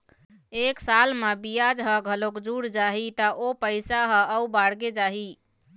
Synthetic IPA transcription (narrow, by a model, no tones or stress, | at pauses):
eksalmebijad͡ʒɦəɡʱəlokd͡ʒuɽd͡ʒaɦit̪əʔopəɪsaɦə̃əubaɽɡed͡ʒaɦi